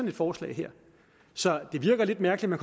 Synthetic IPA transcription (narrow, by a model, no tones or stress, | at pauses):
ɒ̽ne̝d̥fɒːslɛ̰ɪɦeɐ̰ | sɒ̽d̥e̝ʋiɐɡ̥ɐle̝d̥mæɐɡ̥əli̥mænkʰ